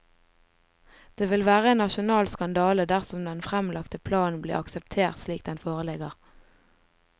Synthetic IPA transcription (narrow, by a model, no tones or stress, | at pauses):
d̪̥eːʋɪlʋæːʁəeːnnɑʃʊnɑːlskɑnd̪ɑːləd̪æʁsɔmd̪ɛnfʁɛmlɑkt̪əpʰlɑːn̩blḭːʁɑksəp̚t̪ʰeːʁt̪sliːk̚d̪ɛnfoːʁəlɪɡəʁ